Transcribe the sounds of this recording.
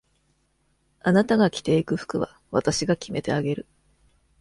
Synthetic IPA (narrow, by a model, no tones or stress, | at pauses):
anat̪aɡakʲi̥t̪e̞ikɯ̟ɸɯ̥kɯ̟βa̰ | βat̪aɕiɡakʲime̞t̪e̞̰aɡe̞ɾɯ̟